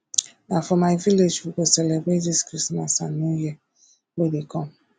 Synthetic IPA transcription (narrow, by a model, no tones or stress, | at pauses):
nafɔmajviled͡ʒfukosɛlebɾetiskɾismasa̰nuje | wedekɔm̩